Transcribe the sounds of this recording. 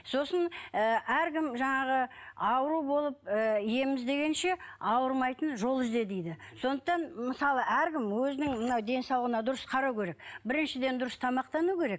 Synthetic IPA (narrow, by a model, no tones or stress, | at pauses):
so̞sənəæɾkʲɪmʒɑɴɑʁəɑwəɾubo̞lˠəp̚əije̞mɪzd̪e̞ɡʲe̞nʃe̞ɑwəɾmɑjt̪ənʒo̞lˠɪzd̪e̞d̪ejd̪ɪso̞nd̪əq̚t̪ɑnməsɑlˠəʔæɾkʲɪmwɵzɪnɪŋmənɑwd̪e̞nsɑw̪ˠəʁənɑd̪ʊɾəsqʰɑɾɑwkʲʰe̞ɾe̞k̚bɪɾɪnʃɪd̪e̞nd̪ʊɾəst̪ʰɑmɑqt̪ɑnukʲʰe̞ɾe̞k̚